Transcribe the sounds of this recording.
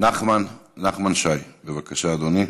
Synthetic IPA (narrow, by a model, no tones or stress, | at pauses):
naχmanːaχmanʃajbevakaʃaːd̪oni